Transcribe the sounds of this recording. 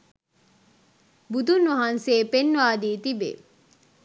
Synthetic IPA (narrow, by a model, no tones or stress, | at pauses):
bud̪unʋɐɦanseːpenːʋaːd̪iːt̪ibḛ